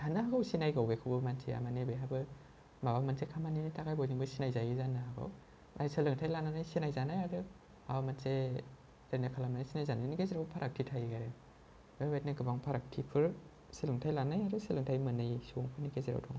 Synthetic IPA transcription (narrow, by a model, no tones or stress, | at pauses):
hanaaɡawsinajɡawɡekʰɯbɯmansʰea̰manebeɦabɯ | mabamansekʰamaninitakajbɔjniŋbɯsinajzajɯzanɯɦaɡa̰w | nʔa̰jsɯlɯŋtʰajlananajsinajzanajaɾɯ | hamanse | ɾanakʰalamanajsinajzananikeziɾawpʰaɾak̚tʰitʰajɡaɾɯ | babatniɡɯbaŋpʰaɾak̚tʰipʰɯɾ | sɯlɯŋtʰajlanajaɾɯsɯlɯŋtʰajmɯnɯjsuŋpʰɯnikezeɾa̰wtʰɔŋ